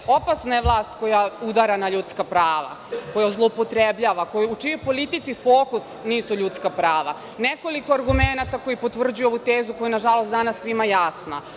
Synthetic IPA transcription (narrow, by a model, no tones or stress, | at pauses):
o̞pasnajeʋlˠaːst̪ko̞jaud̪aɾanaʎut̪skapɾaːʋa̰ko̞jazlˠoupot̪ɾebʎaːʋako̞jiut͡ʃijojpo̞lit̪it̪sifoːkusniːsuʎuːt̪skapɾaːʋa | neko̞likoaɾɡumenat̪ako̞jipo̞t̪ʋr̩d͡ʑujo̞ʋut̪eːzuko̞jenaʒalˠost̪d̪anasːʋimajasna